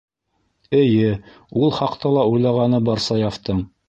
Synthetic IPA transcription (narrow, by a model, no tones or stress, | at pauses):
ɘ̆jɘ | ulˠχɑqt̪ɑlˠɑujlˠɑʁɑnɤbɑɾsɑjɑft̪ɤɴ